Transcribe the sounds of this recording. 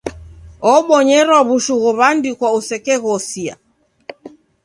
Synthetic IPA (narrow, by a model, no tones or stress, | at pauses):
ɔɓɔɲɛɾwaβuʃuɣɔβandikwausɛkɛɣɔsia̰